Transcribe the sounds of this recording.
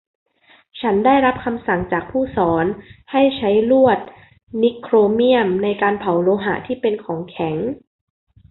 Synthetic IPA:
t͡ɕʰa˦˥ndaː˥˩jɾa˦˥p̚kʰa˧msa˨˩ŋt͡ɕaː˨˩k̚pʰuː˥˩sɔː˩˦nha˥˩jt͡ɕʰa˦˥jlu˥˩ət̪̚ | ni˦˥kʰɾoː˧mi˥˩əmna˧jkaː˧npʰa˨˦wloː˧ɦa̰˨˩˦t̪ʰiː˥˩pe˧nkʰɔː˩˦ŋkʰɛ˩˦ŋ

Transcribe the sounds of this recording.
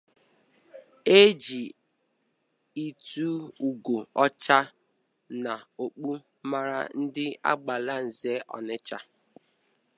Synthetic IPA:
e˦d͡ʒi˨ | i˨tu˦u˨ɡo˨ɔ˦t͡ʃa˦ | na˨o˨k͡pu˦ | ma˦ɾa̰˦n̩˦dɪ˦a̰˦ɡ͡ba˨la˦n̩˨ze˦ʔɔ̰˨nɪ˦t͡ʃa˦

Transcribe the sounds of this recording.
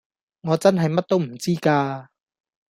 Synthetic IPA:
ŋɔː˨˧t͡sɐ˥nɦɐ˨jmɐ˥t̚t̪o˥wm̩˨˩t͡siː˥kaː˧

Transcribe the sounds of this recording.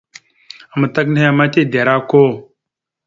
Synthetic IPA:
a˨ma˨ta˦k̬n˦e˦a˨ma˦ti˦˨da˨ɾa˦ko˦˨

